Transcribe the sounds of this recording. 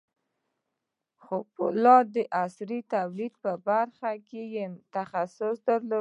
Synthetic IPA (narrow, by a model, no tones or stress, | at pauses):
xobʊlɑd̪əʔasɾit̪awlid̪̚pəbaɾxakejemt̪axasʊsd̪əɾlo